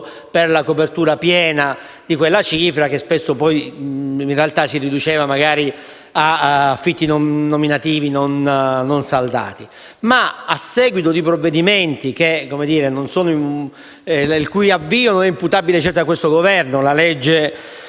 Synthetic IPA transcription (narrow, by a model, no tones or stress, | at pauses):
perlakopert̪uːɾapjɛːna | d̪̥ikwelːat͡ʃiːfɾak̟espesːopɔjinrealt̪asirid̪ut͡ʃeːvamaɡaːɾi | aafːit̪ːinoːominat̪iːvinonnonsald̪a̰ːt̪i | maasːɛːɡwit̪od̪ipɾovːed̪iment̪ikekomed̪iːɾenonsoːnoi | ilkujavːiːononɛimput̪abilet͡ʃɛrt̪akːwest̪oɡovɛrnolalɛd͡ʒːe